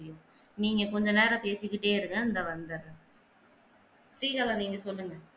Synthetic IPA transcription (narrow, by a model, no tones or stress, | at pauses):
ɽɪjʊ̃ | niːŋɡɐkɔɲd͡ʒɔ̃neːɾɐ̃peːsɪkːɪʈːeːɪɾɯŋɡɐɪnd̪ɐʋɐnd̪ɐɾ | sɾiːkɐlɐ̃niːŋɡɐsɔlːɯŋɡɐ